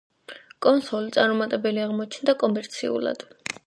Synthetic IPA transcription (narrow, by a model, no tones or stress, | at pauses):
kʼɔnsɔlit̪sʼaɾmɔmat̪ʼɛbɛliaʁmɔt͡ʃʰnd̪akʼɔmɛɾt̪sʰḭṵla̰d̪̥